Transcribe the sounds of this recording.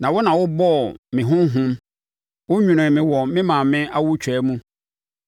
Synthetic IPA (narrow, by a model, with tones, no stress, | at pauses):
nã˨wʊ˦nã˨wʊ˦bɔ˦˨mɪ̃˨ɦʊ̃˦m˦ɦʊ̃˦m | wʊ˦ɲᶣũ˨nʊ̃˨mɪ̃˨wɔ˨mɪ̃˦mã˨mɪ̃˦a˦wʊ˦t͡ɕʰᶣɛ˨˦mũ˦